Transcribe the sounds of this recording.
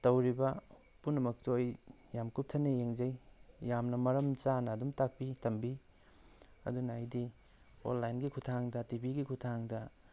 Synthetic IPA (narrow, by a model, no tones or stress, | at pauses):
tɐwɾibɐ | punːɐmɐk̚toj | jamkup̚tʰɐnejeŋzɐjjamnɐmɐɾɐmt͡ʃanɐːdumtak̚pitɐmbi | ɐ̰dunɐajdi | o̰nlajnɡikʰutʰaŋdɐtibiɡikʰutʰaŋdɐ